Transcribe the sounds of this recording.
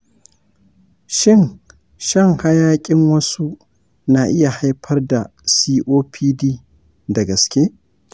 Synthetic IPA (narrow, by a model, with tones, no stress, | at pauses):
ʃɪ˦˨n | ʃɐ˦ŋha˦jaː˦kʲʼɪ˦ŋwɐ˦su˦ | na˨ʔɪ˦ja˨ha˦jɸʰɐ˦rda˨ | siː˦ʔoː˦pʰiː˦diː˦ | dɐ˨ɡɐ˨skʲeː˦